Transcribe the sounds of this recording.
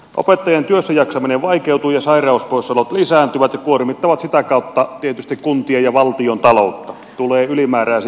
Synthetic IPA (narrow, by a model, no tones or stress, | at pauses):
ʔo̰pet̪ːɑjɑnt̪yøsːæjɑksɑmineʋʋɑikeut̪uːjɑsɑirɑˑuspoisɑlot̪lisæːnt̪yʋæt̪jɑkuormit̪ːɑʋɑt̪sit̪ækɑˑut̪ːɑt̪iet̪yst̪ikkunt̪iɑjɑʋɑlt̪iont̪ɑlout̪ːɑ | t̪uleːylimæːræːs